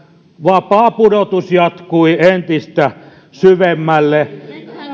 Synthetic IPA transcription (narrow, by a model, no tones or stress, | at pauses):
ʋɑpɑːpuɾot̪usjɑt̪kuient̪ist̪æ | syʋemːælːe